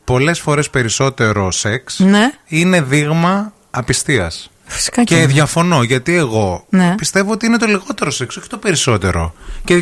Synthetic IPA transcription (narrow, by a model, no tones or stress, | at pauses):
po̞le̞sfo̞ɾe̞spe̞ɾiso̞t̪e̞ɾo̞se̞ksneine̞ðiɣmɐ | ɐpist̪iɐ̰s | fi̥si̥kɐceðʝɐfo̞no̞ʝɐt̪ie̞ɣo̞nepist̪e̞voot̪iine̞t̪oliɣo̞t̪e̞ɾose̞kso̞çi̥t̪o̞pe̞ɾiso̞t̪e̞ɾo̞̰ce